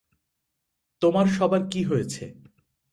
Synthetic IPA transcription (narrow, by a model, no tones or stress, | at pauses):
t̪omaɾʃɔbajkiɦojet͡ɕʰḛ